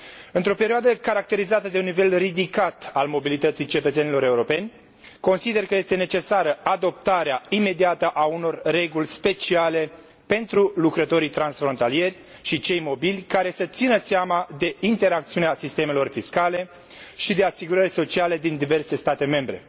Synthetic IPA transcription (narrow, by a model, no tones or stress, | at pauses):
ɨnt̪ɾo̞pe̞ɾioad̪əkaɾak̚t̪e̞ɾizat̪əd̪e̞unːive̞lrid̪ikat̪almo̞bilit̪ət̪sijt͡ʃe̞t̪ət̪se̞nilo̞ɾe̞uɾo̞pe̞nʲ | ko̞nsid̪e̞rkəje̞st̪enet͡ʃe̞saɾəad̪o̞p̚t̪aɾeaime̞d̪iat̪əʔauno̞rre̞ɡulʲspe̞t͡ʃiale̞ | pe̞nt̪ɾulukɾət̪o̞ɾijt̪ɾansfɾo̞nt̪alije̞rʲ | ʃit͡ʃe̞jmo̞bilʲkaɾe̞sət̪sinəseamad̪e̞int̪e̞ɾakt̪siuneasist̪e̞me̞lo̞rfiskale̞ | ʃid̪e̞asiɡuɾərʲso̞t͡ʃiale̞d̪ind̪ive̞rse̞st̪at̪e̞me̞mbɾe̞̰